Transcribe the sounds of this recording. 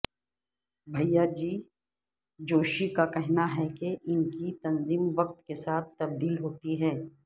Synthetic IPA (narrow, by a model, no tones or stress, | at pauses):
bʱɐjːad͡ʒiː | d͡ʒoːʃikakɛɦnaɦɛkeʔɪnkit̪ɐnziːmʋɐq̚t̪kesaːt̪̚ʰt̪ɐb̚d̪iːlɦoːt̪iɦɛ̃ː